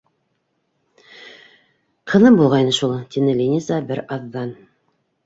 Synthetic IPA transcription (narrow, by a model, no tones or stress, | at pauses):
qʰɤ̆nɤmbulˠʁɑjnɤʃulˠt̪inɘlʲinʲizɑbɘɾɑðːɑn